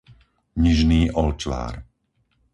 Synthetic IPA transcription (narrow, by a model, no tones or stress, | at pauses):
ɲiʒniːʔɔlt͡ʃʋa̰ːɾ